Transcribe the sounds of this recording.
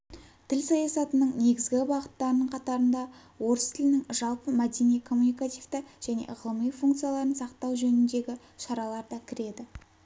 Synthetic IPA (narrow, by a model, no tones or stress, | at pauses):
t̪ʰɪlsɑjɑsɑt̪ənəɴne̞ɡʲɪzɡʲɪbɑʁət̪ːɑɾənəɴqʰɑt̪ɑɾənd̪ɑ | woɾəst̪ʰɪlɪnɪŋʒɑlˠpəmæd̪enijkʰo̞mːunijkat̪ift̪ɪʒ̥æne̞̰ʁəlˠəmijfuŋkt̪sɨijalˠɑɾənsɑqt̪ɑwʒɵnɪnd̪e̞ɡʲɪ | ʃɑɾɑlˠɑɾd̪ɑkʲʰɪɾe̞d̪ɪ